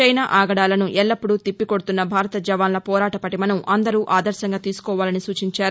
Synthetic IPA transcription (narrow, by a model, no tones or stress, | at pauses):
ɐjnaːʔaːɡɐɽaːlɐnuʔɛlːɐpːuɽut̪ipːiko̞ɽut̪unːɐbʱaːɾɐt̪ɐd͡ʒɐʋaːnlɐpɔːɾaːʈɐpɐʈimɐnɐmʔɐnd̪ɐɾuːʔaːd̪ɐɾʃɐŋɡaːt̪iːsu̥kɔːʋaːlɐnisuːt͡ʃiɲt͡ʃaːɾu